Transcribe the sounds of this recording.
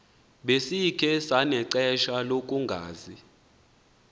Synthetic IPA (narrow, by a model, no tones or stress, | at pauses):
ɓesikʰɛsanɛǀɛʃalok̬ʼuŋɡʱaːzi